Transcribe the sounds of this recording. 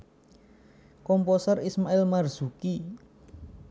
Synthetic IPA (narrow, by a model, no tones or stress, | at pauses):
kɔmposərismaɪlmarz̥uki